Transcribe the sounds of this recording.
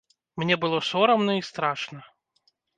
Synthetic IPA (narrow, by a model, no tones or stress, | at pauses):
mnʲɛbɨlˠɔsɔɾɐmnɔist̪ɾaʂnɐ